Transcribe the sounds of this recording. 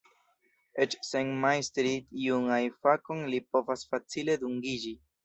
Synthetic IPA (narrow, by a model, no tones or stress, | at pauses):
et͡ʃseŋmajstɾitiuŋajfakonlipo̞vasfat͡sile̞duŋɡid͡ʒi